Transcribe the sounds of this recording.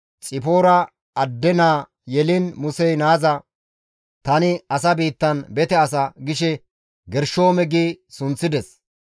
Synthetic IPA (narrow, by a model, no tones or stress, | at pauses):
t͡sʼɪpoːɾɐ | ɐd̪ːɛnaː | jɛlɪnmʊsɛjnaːzɐ | t̪ɐnɪɐs̬ɐbiːt̪ːɐnbɛt̪ɛɐs̬ɐɡɪʃɛ | ɡɛɾʃoːmɛɡiːsʊnt͡sːɪd̪ɛs